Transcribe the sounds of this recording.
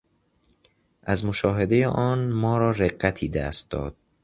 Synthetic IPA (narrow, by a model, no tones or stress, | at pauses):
ʔæzmoʃɒːɦed̪e̞jeʔɒːnmɒːɾɒːɾeɢːæt̪ʰiːd̪æ̰ːst̪̚d̪ɒ̰ːd̪̥̚